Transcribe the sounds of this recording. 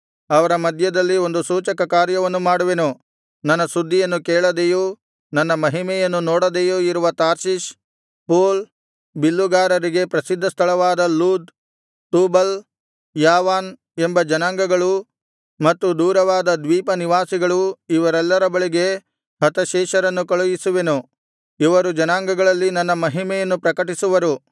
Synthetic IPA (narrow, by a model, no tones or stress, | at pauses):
ɐʋɐɾɐmɐd̪ʱjɐd̪ɐlːio̞nd̪usuːt͡ʃɐkɐkaːɾjɐʋɐnːumaːɽuʋenu | nɐnːɐsud̪ʱːijɐnːukeːɭɐd̪ejuː | nɐnːɐmɐɦimɛjɐnːunoːɽɐd̪ejuːiɾuʋɐt̪aːɾʃiʃ | poːl | bilːuɡaːɾɐɾiɡe̞pɾɐsid̪ʱːɐst̪ʰɐɭɐʋaːd̪ɐluːd̪ | t̪uːbɐl | jaːʋaːn | embɐd͡ʒɐnaːŋɡɐɡɐɭu | mɐt̪ːud̪uːɾɐʋaːd̪ɐd̪ʋiːpɐniʋaːsiɡɐɭuiʋɐɾɛlːɐɾɐbɐɭiɡe̞ | ɦɐt̪ɐʃɛːʃɐɾɐnːukɐɭujisuʋenu | iʋɐɾud͡ʒɐnaːŋɡɐɡɐɭɐlːinɐnːɐmɐɦimɛjɐnːupɾɐkɐʈisuʋɐɾu